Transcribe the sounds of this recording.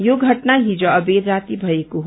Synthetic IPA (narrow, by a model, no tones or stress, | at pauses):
joɡʱɐʈnaɦid͡ʒoɐbeːd̪ɾaːt̪ibʱɐekoɦ